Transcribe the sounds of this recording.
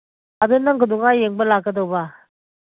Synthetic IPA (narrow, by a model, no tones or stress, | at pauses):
ad̪unaŋɡəd̪ʊŋajeŋbəlaɡəd̪oba